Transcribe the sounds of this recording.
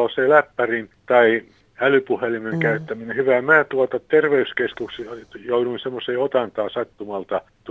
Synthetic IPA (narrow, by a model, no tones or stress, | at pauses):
oseːlæpːærint̪ɑi | ælypuhelimeŋkæyt̪ːæminehyʋæmæːt̪uɑt̪ɑt̪erʋeyskeskuksjouɾuinsemːoseːot̪ɑnt̪ɑːsɑt̪ːumɑlt̪ɑ | t̪